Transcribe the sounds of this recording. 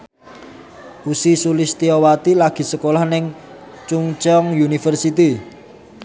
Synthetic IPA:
ʔusisulɪst̪iɔwat̪ilaɡ̥i̤səkolɔhnɪŋ | t͡ʃuŋt͡ʃɔŋjunifərsit̪i

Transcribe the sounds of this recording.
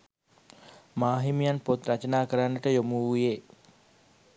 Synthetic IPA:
maːɦimijanpot̪ɾɐt͡ʃənaːkəɾanːəʈəjomuːujeː

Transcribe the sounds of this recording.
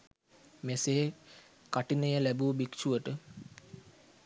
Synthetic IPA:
meseː | kaʈinəjəlæbubikʃuʋəʈə

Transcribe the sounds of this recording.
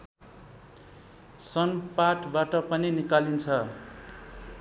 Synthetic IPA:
sʌnpaʈʰbaʈʌpʌninikalint͡sʰʌ

